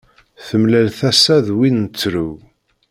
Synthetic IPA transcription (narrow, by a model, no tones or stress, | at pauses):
θəmlælθæsæðwinət͡sːɾu